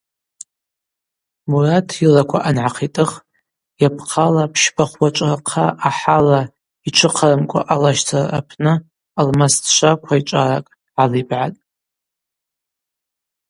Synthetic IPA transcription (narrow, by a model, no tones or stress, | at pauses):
muratʰilakʷʰaʔanʕaqʰitʼɨχ | japʰqʰalapʰʃbaχwat͡ʃʷʼrqʰaʔːħala | it͡ʃʷʰɨqʰarɨmkʷʼa̰ʔalaʃtʰara̰pʰnɨ | almastʰʃʷakʷʰait͡ʃʷʼarakʼ | ʕalibʕatʼ